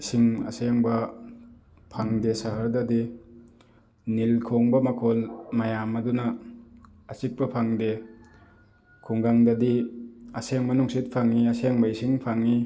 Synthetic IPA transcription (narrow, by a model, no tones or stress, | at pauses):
siŋɐ̰seŋbɐ | pʰaŋdesɐɦɐɾdɐdi | nilkʰoŋbɐmɐkʰɔlmajamɐdunɐː | sik̚pɐpʰaŋde | kʰuŋɡaŋdɐdiɐseŋmɐnuŋsit̚pʰaŋːiɐseŋbɐisiŋpʰaŋi